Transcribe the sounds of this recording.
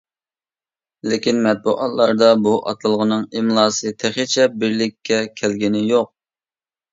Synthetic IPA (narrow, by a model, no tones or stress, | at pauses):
lɪkʲinmɛt̪̚buʔɑ̰t̪lˠɑɾd̪ɑbuʔɑ̰t̪ʰɨlˠʁənɨŋɪmlˠɑːsɨt̪ʰeχit͡ʃʰɛp̚bɪɾlɪkʲʰːɛkʲʰælɡʲinɪjoq̚